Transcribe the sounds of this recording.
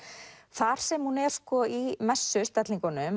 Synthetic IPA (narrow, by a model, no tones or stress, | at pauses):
θaɾ̥sɛmhunɛɾ̥skɔimɛsːʏst̪ɛt̪liŋkanʏm